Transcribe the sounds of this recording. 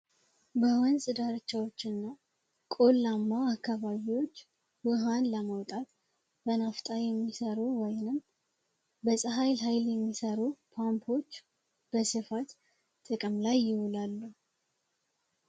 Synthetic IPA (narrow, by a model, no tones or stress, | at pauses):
bəwɔnsʼɨd̪aɾɨt͡ʃːawo̞t͡ʃːɨnːa | kʼolːamːaakːaβaβiwo̞t͡ʃː | wɨɦanləməwt̪ʼat̪ | bənaft̪ʼajɛmːisəɾuwɔjnɨm | bəsʼɨɦajlɦajljɛmːisəɾupʰampʰo̞t͡ʃː | b̥əsɨfat̪ | t̪ʼɨkʼɨmlajːɪwulalːu